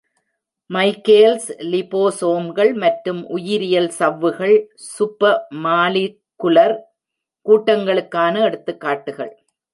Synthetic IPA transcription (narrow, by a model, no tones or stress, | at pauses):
mɐɪkːeːlslɪpoːsoːmɡɐɭmɐʈɾɯmʔʊjɪɾɪjɐlsɐʋːɯɣɐɭsʊpːɐmaːlɪ | kːʊlɐɾ | kuːʈːɐŋɡɐɭɯkːaːnɐɛɽɯt̪ːɯkːaːʈːɯɣɐ̰ɭ